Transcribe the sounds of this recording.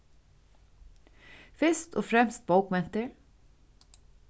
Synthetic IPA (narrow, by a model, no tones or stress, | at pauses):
fɪst̪ʰo̰ːfɾɛmst̪̚bowkmɛn̥t̪əɹ